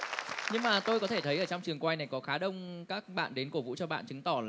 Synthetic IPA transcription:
ɲɨ˧ŋmaː˨˩t̪o˧jkɔ˨˦t̪ʰe˧˩t̪ʰə˨˦jʔəː˧˩t͡ɕɔ˧wŋ͡mt͡ɕɨ˨˩əŋkwa˧jna˨˩jkɔ˨˦xaː˨˦ɗə˧wŋ͡mkaː˦˥k̚ɓa̰ː˧˨nɗe˨˦nko˧˩vṵ˧˥t͡ɕɔ˧ɓa̰ː˧˨nt͡ɕɨ˨˦ŋt̪ɔ˧˩

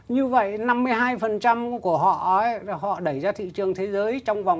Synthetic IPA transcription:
ɲɨ˧və̰˧˨jna˧mːɨ˧əjɦaː˧jfə˨˩nt͡ɕa˧mku˧˩əɦɔ̰˧˨ə˨˦hɔ̰˧˨ɗə˧˩jzaː˧t̪ʰḭ˧˨t͡ɕɨ˨˩əŋt̪ʰe˨˦zəː˨˦jt͡ɕɔ˧wŋ͡mva˨˩wŋ͡m

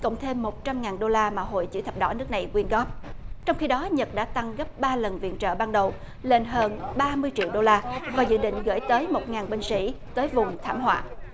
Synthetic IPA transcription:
kə̰˧˨wŋ͡mt̪ʰe˧mːo˨˩t̚t͡ɕa˧mŋaː˨˩nɗo˧laː˧maː˨˩ɦo̰˧˨jt͡ɕɨ̰˧˥t̪ʰə˨˩p̚ɗɔ̰˧˥˦nɨ˦˥ək̚na˨˩jkwi˧ənɣɔ˦˥p̚t͡ɕɔ˧wŋ͡mxi˧ɗɔ˨˦ɲə˨˩t̚ɗa̰ː˧˥t̪a˧ŋɣə˦˥p̚ɓaː˧lə˨˩nvḭ˧˨ənt͡ɕə̰ː˧˨ɓaː˧nɗə˨˩w | le˧˩nɦəː˧nɓaː˧mɨ˧əjt͡ɕḭ˧˨əwɗo˧laː˧vaː˨˩zɨ̰˧˨ɗḭ˧˨ŋ̟ɣə̰ː˧˥˩jt̪əː˨˦jmo˨˩t̚ŋaː˨˩nɓï˧ŋ̟sḭ˧˥t̪əː˨˦jvʊ˨˩ŋ͡mt̪ʰaː˧˩mɦwa̰ː˧˨

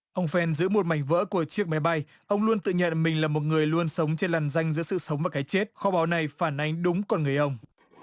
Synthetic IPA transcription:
ʔə˧wŋ͡mfɛ˧nzɨ̰˧˥mo˨˩t̚ma˧˩jŋ̟və̰ː˧˥ku˧˩ət͡ɕi˦˥ək̚ma˨˦jɓa˧j | ʔə˧wŋ͡mlu˧ənt̪ɨ̰˧˨ɲə̰˧˨nmï˨˩ŋ̟laː˨˩mo˨˩t̚ŋɨ˨˩əjlu˧ənsə˨˦wŋ͡mt͡ɕe˧nlaː˨˩nza˧jŋ̟zɨ̰˧˥əsɨ̰˧˨sə˨˦wŋ͡mvaː˨˩kaː˨˦jt͡ɕe˦˥t̚xɔ˨˧˦ɓaː˨˦wna˨˩jfaː˧˩nʔa˧jŋ̟ɗʊ˨˦ŋ͡mkɔ˧nŋɨ˨˩əjʔə˧wŋ͡m

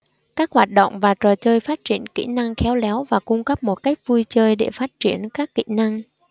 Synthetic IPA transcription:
kaː˦˥k̚hwaː˨˩t̚ɗo̰˧˨wŋ͡mvaː˨˩t͡ɕəː˨˩t͡ɕəː˧jfaː˦˥t̚t͡ɕi˧˩ənkḭ˧˥na˧ŋxɛ˨˦wlɛ˨˦wvaː˨˩kʊ˧ŋ͡mkə˦˥p̚mo˨˩t̚ka˦˥jk̟̚vu˧jt͡ɕəː˧jɗe˧˩faː˦˥t̚t͡ɕi˧˩ənkaː˦˥kːḭ˧˨na˧ŋ

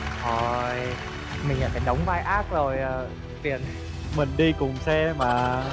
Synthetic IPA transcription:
ʔo˨˩j | mï˨˩ŋ̟la̰˨˩faː˧˩jɗə˨˦wŋ͡mvaː˧jʔaː˦˥k̚zo˨˩jː | t̪i˨˩ən | mï˨˩ŋ̟ɗi˧kʊ˨˩ŋ͡msɛ˧maː˨˩

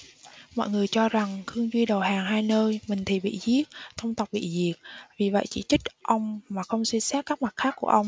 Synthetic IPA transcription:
mɔ̰˧˨jŋɨ˨˩əjt͡ɕɔ˧za˨˩ŋxɨ˧əŋzwi˧ɗə˨˩wɦaː˨˩ŋɦaː˧jnəː˧jmï˨˩ŋ̟t̪ʰi˨˩ɓḭ˧˨zi˦˥ət̚t̪ʰə˧wŋ͡mt̪ə˨˩k͡p̚ɓḭ˧˨zi˨˩ək̚vi˨˩və̰˧˨jt͡ɕi˧˩t͡ɕï˦˥k̟̚ʔə˧wŋ͡mmaː˨˩xə˧wŋ͡mswi˧nsaː˦˥t̚kːaː˦˥k̚ma˨˩t̚xaː˦˥kːu˧˩əʔə˧wŋ͡m

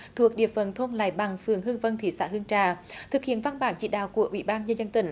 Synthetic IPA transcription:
t̪ʰu˨˩ək̚ɗḭ˧˨əfə˧˩nt̪ʰo˧nla̰ː˧˩jɓa˨˩ŋfɨ˨˩əŋɦɨ˧əŋvə˧nt̪ʰi˨˩sa̰ː˧˥hɨ˧əŋt͡ɕaː˧˩t̪ʰɨ˨˩k̚hḭ˧˨ənva˧nɓaː˧˩nt͡ɕḭ˧˨ɗa̰ː˧˨wku˧˩əʔwḭ˧˨ɓaː˧nɲə˧nzə˧nt̪ï˧˩ŋ̟

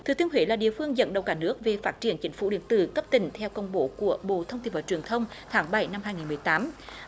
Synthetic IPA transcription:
t̪ʰɨ˨˩t̪i˧ənɦwḭ˧˦laː˨˩ɗḭ˧˨fɨ˧əŋzə̰˧˥nɗə̰˨˩wkaː˧˩nɨ˦˥ək̚ve˨˩faː˦˥t̚t͡ɕi˧˩ənt͡ɕï˨˦ŋ̟fṵ˧˩ɗḭ˧˨ənt̪ɨ̰˧˨kə˦˥p̚t̪ï˧˩ŋt̪ʰɛ˧wkə˧˩wŋ͡mɓo˧˩ku˧˩əɓo̰˧˨t̪ʰə˧wŋ͡mt̪i˧˩nvəː˧˩t͡ɕwi˨˩ənt̪ʰə˧wŋ͡mt̪ʰaː˨˦ŋɓa˧˩jna˧mhɦaː˧jŋi˨˩nmɨ˨˩əjt̪aː˨˦m

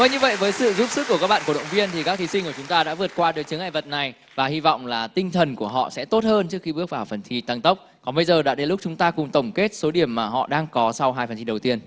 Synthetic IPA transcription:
və˧ɲɨ˧və̰˧˨jvəː˨˦jsɨ̰˧˨zu˦˥p̚sɨ˦˥kːkaː˦˥ɓaː˧˨nku˧˩˨ə̰˧˨wŋ͡mvi˧ənt̪ʰi˨˩kaː˦˥k̚t̪ʰi˨˦sï˧ŋku˧˩t͡ɕʊ˨˦ŋ͡mt̪aː˧ɗa̰ː˧˥vɨ˨˩ət̚kwaː˧ɗɨ˨˦jt͡ɕɨ˨˦əŋʔaː˧˨jvə˨˩t̚na˨˩j | vaː˨˩hi˧vɔ̰˧˨wŋ͡mlaː˨˩t̪ï˧ŋ̟t̪ʰə˨˩nku˧˩əɦɔ̰˧˨sɛ̰˧˥t̪o˦˥t̚həː˧nt͡ɕɨ˦˥əkxi˧ɓɨ˦˥ək̚vaː˨˩wfə˨˩nt̪ʰi˧t̪a˧ŋt̪ə˦˥k͡p̚kɔ˨˦nɓə˧jzəː˨˩ɗa̰ː˧˥ɗe˨˦lʊ˦˥k͡p̚t͡ɕʊ˨˦ŋ͡mt̪aː˧kʊ˨˩ŋ͡mt̪ə˨˩wŋ͡mke˦˥t̚so˨˦ɗi˧˩əmːaː˨˩ɦɔ̰˧˨ɗaː˧ŋkɔ˨˦sa˧wɦaː˧jfə˨˩nt̪ʰi˧ɗə˨˩wt̪i˧ən

